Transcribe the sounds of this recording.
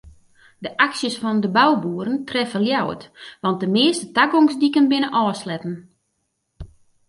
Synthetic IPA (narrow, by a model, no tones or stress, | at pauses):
dəʔaksjəsfɔndəbawbuːəɾəntrɛfəljawətʋɑnt̚dəmɪəstətaɡoŋsdikənbɪnəʔɔːslɛtən̩